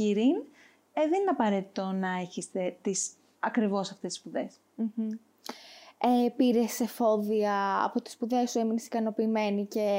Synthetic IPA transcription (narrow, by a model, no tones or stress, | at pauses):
iɾin | eðenineɐpɐɾe̞t̪i̥t̪o̞nɐe̞çest̪e̞t̪is | ɐkɾivo̞sɐft̪esi̥spuðe̞s | m̩ | epiɾe̞sefo̞ðiɐɐ̰po̞t̪i̥spuðe̞sue̞minesi̥kɐno̞piːme̞nice̞